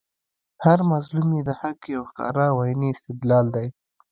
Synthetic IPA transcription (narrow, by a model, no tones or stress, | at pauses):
haɾmazlumjed̪əhakjawxkɑ̰ɾɑwajniɪst̪ɪd̪lɑld̪aj